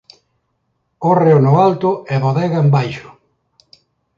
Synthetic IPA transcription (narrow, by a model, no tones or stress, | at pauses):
oreonʊalt̪ʊeβoðɛɣaembajʃʊ̥